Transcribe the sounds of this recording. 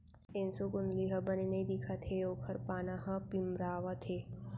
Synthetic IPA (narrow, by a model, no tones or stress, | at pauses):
ɪnsokʊnd̪liɦɐbɐninɐĩd̪ikʰat̪ʰeoːkʰɐɾpaːnaɦɐ̃pimɾaːʋat̪ʰeː